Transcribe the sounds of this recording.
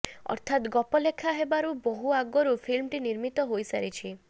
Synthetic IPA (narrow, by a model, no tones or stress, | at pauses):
ɔ̰ɾt̪ʰat̪ɡɔpɔlekʰaɦebaɾubɔɦuaɡɔɾupʰilmʈiniɾmit̪ɔɦojsaɾit͡ʃʰi